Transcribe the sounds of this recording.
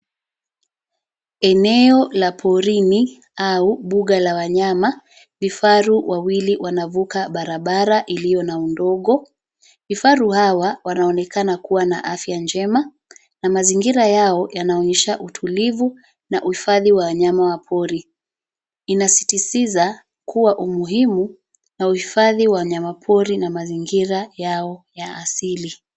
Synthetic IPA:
ɛnɛɔlapʰɔɾini | auɓuɠalawaɲama | vifaɾuwʔawiliwanavukaɓaɾaɓaɾaʔilijɔnaundɔɠɔ | vifaɾuhawawanaɔnɛkanakuwanaʔafjand͡ʒɛma | namaziŋɡiɾajaɔjanaɔɲɛʃaʔutʰulivu | naʔuhifaðiwawaɲamawapʰɔɾi | inasi̥tisiza | kuwaʔumuɦimu | nauhifaðiwaɲamapʰɔɾinamaziŋɡiɾajaɔjaasili

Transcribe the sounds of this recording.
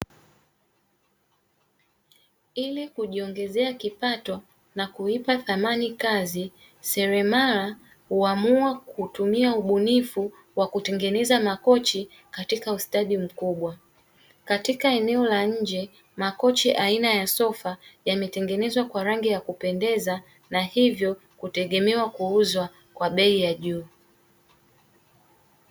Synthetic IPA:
ilikuʄiɔŋɡɛzɛakipatɔ | nakuipaθamanikazi | sɛɾɛmala | huamuakutumiauɓunifu | wakutɛŋɡɛnɛzamakɔt͡ʃi | katikaustaɗim̩kuɓwa | katikaɛnɛɔlaɲ̩d͡ʒɛ | makɔt͡ʃɛʔainajasɔfajamɛtɛŋɡɛnɛzwakwaɾaŋɡijakupɛndɛza | nahivjɔ | kutɛɠɛmɛwakuuzwa | kwaɓɛijaʄuː

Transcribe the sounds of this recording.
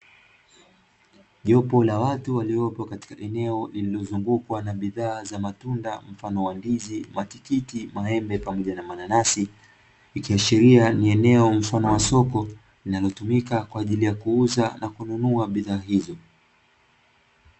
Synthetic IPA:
ʄɔpɔlawatuwaliɔpɔkati̥kaʔɛnɛɔlililɔzuŋɡukwanaɓiðaːzamatundam̩fanɔwandizimatikitimaɦɛmbɛpamɔʄanamananasiː | kiaʃiɾianiɛnɛɔm̩fanɔwasɔkɔ | linalɔtumikakwaːʄilijakuuzanakununuaɓiðaːɦizɔ

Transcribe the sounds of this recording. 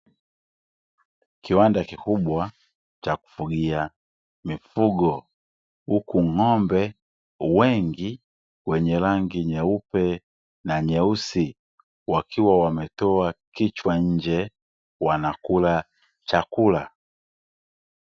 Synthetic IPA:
kiwandakikubwa | t͡ʃaku̥fuɡia | mifuɡɔ | ukuŋ̩ŋɔmbɛ | wɛŋɡi | wɛɲɛlaŋɡiɲɛupɛ | naɲɛusi | wakiwawamɛtɔakit͡ʃwaɲ̩d͡ʒɛ | wanakula | t͡ʃakula

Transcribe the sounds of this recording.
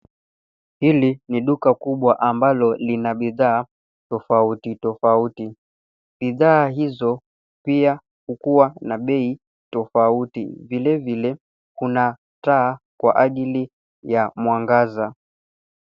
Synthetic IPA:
hiliniɗukakuɓwaʔambalɔlinaɓiðaː | tɔfautitɔfauti | ɓiðaːɦizɔ | pia | hukuwanaɓɛi | tɔfautḭvilɛvilɛ | kuna | taː | kwa̰ʔaʄili | jamwaŋɡaza

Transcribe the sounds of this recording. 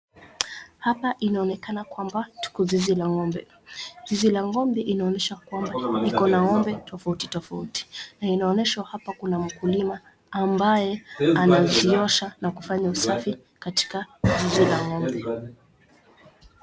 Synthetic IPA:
hapaʔinaɔnɛkanakwambatu̥kuzizilaŋɔmbɛ̰ | zizilaŋɡɔmbɛʔinaɔnɛʃakwambanikɔnaŋɔmbɛtʰɔfauti̥tɔfauti̥nainaɔnɛʃwahapakunam̩kulimaː | mbajɛanaziɔʃanakufaɲausafi | kati̥kazizilaŋɡɔmbɛ

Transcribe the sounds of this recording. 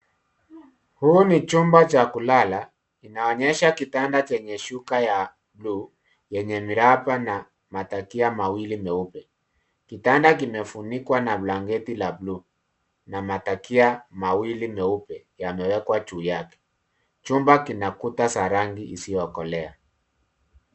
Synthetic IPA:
huːnit͡ʃumbat͡ʃakulala | kinaɔɲɛʃakitandat͡ʃɛɲɛʃukaja | bluː | jɛɲɛmiɾapana | matakiamawilimɛupɛ | kitandak̬imɛfunikwanablaŋɡɛtilabluː | namatakiamawilimɛupɛ | jamɛwɛkwat͡ʃuːjakɛ̥ | t͡ʃumbakinakutasaɾaŋɡiʔisijɔkɔlɛa

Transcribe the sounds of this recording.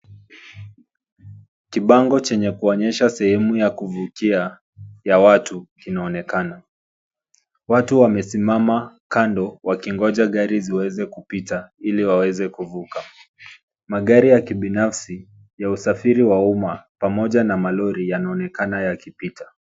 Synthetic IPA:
kiɓaŋɡɔt͡ʃɛɲɛkuɔɲɛʃasɛhɛmujakuvukia | jawatukinaɔnɛkana | watuwamɛsimamakandɔwakiŋɡɔʄaɠaɾiziwɛzɛkupitailiwawɛzɛkuvuka | maɠaɾijakiɓinafsi | jausafiɾiwaumapamɔʄanamalɔɾijanaɔnɛkanajakipitʰḁ

